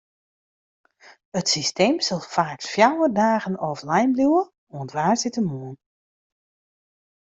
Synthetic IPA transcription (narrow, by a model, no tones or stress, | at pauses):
ətsisteːmsɔlˠfaːksfjawədaːɣənɔflɛjmbljuwə | uəntʋaːrsitəmuən